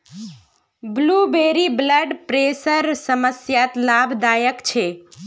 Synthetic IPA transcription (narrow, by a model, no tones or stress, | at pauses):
blubeɾibləɖpɾesəɾsəməsjat̪labʱd̪aːjəkt͡ʃʰe